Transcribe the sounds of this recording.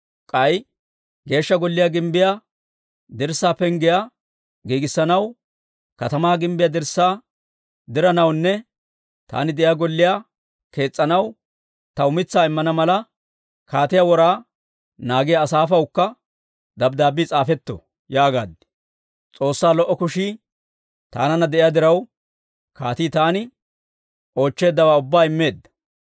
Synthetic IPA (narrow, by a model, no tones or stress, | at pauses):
kʼɐj | ɡe̞ːʃːɐɡɔlːɪjaːɡɪmbɪja | d̪ɪɾsaːpɛŋɡɪja | ɡiːɡɪsːɐnɐw | kɐt̪ɐmaːɡɪmbɪjad̪ɪɾsːaː | d̪ɪɾɐnɐwnːɛ | t̪a̰ːnɪd̪ɛjaːɡɔlːɪja | ke̞ːt͡sʼːɐnɐw | t̪ɐʊmɪt͡sːaːɪmːɐnɐmɐlɐ | kaːt̪ɪjawɔɾaː | naːɡɪjaːsaːfɐwkːɐ | d̪ɐbd̪aːbiːt͡sʼaːfɛt̪ːɔ̰ | jaːɡa̰ːd̪ɪ̥ | t͡sʼo̞ːsːaːlɔʔːɔkʊʃiː | t̪a̰ːnɐnɐd̪ɛʔɪjaːd̪ɪɾɐw | kaːt̪iːt̪aːnɪ | ʔo̞ːt͡ʃːe̞ːd̪ːɐwaːʊbːaːɪmːe̞ːd̪ːɐ̥